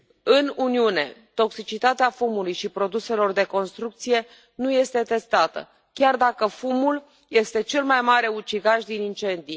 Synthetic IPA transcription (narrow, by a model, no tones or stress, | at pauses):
ɨnuniune̞̰t̪o̞ksit͡ʃit̪at̪eafumulujʃipɾo̞d̪use̞lo̞rd̪e̞ko̞nst̪ɾuk̚t̪sije̞ | nuje̞st̪e̞t̪e̞st̪at̪ə̰ | kʲard̪akəfumul | je̞st̪e̞t͡ʃe̞lmajmaɾe̞ut͡ʃiɡaʃd̪inint͡ʃe̞nd̪ij